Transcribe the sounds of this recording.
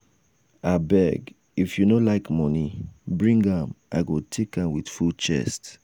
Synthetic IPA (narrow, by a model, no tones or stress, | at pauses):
abɛɡ | ifjunõlaɪkmɔnibɹĩŋɡãmʔa̰ɪɡotʰekãmwidfut͡ʃɛ̰st